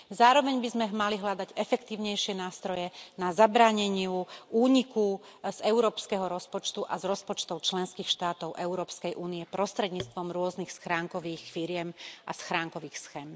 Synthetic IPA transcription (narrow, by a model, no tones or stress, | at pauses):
zaːɾɔʋɛɲbizmɛmaliɦʎad̪aɟɛfɛkt̪iːʊɲɛjʃɪɛnaːst̪ɾɔjɛnazabɾaːɲɛɲɪuuːɲikuz̥ɛʊɾɔːpskɛɦɔɾɔspɔt͡ʃt̪uʔazɾɔspɔt͡ʃt̪ɔʊt͡ʃlɛnskiːxʃt̪aːt̪ɔʊʔɛuɾɔːpskɛjʔuːniɛpɾɔst̪ɾɛd̪ɲiːt͡st̪ʋɔmɾʊɔznixsxɾaːŋkɔʋiːxfiɾɪɛmʔasxɾaːŋkɔʋiːxsxɛːm